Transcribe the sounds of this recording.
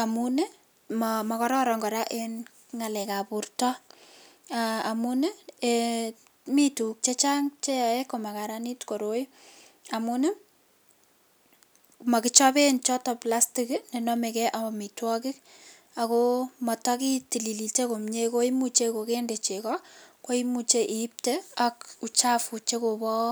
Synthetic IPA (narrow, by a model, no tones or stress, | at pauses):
amune | mmɔkɔɾɔɾɔŋɡɔɾaʔen | ŋalɛkapʊrtɔ | aamunee | mituk̚t͡ʃet͡ʃaŋt͡ʃeekomakaɾanitkoɾoj | amune | makɪt͡ʃɔpent͡ʃɔtɔplastiknenɔmekɛʔamitwɔkɪk̚ | akomɔtɔkitililitekomɲekoimut͡ʃekokendet͡ʃekɔkoimut͡ʃeʔiːp̚teakut͡ʃafut͡ʃekobɔ